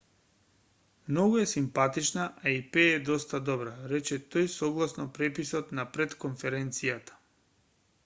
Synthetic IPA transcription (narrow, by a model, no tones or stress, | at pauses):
mnɔɡuɛsimpat̪it͡ʃnaʔaipɛːd̪ɔst̪ad̪ɔbɾaɾɛt͡ʃɛt̪ojsɔɡlˠasnɔpɾɛpisɔt̪napɾɛt̪konfɛɾɛnt̪sijat̪ḁ